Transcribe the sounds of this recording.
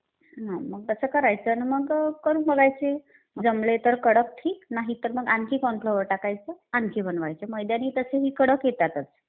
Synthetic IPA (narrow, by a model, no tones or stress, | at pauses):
ɦãməɡ̚t̪əsəkəɾajt͡sənməɡkəɾuːnbəɡajt͡se | d͡zəmlet̪əɾkəɽək̚ʈ̪ʰiːknaɦit̪əɾməɡankʰiːkɔnpʰləʋəʈakajt͡səankʰibʱənʋajt͡seməjd̪janiːt̪əseɦiːkəɽəkjet̪at̪əs